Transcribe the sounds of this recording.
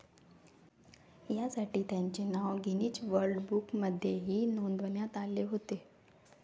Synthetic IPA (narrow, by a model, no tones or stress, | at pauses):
jasaʈiːt̪jaɲt͡ɕenaʋɡʱiniːt͡sʋəɾɖbukməd̪ʱːjeɦiːnond̪ʋənjat̪aleɦot̪e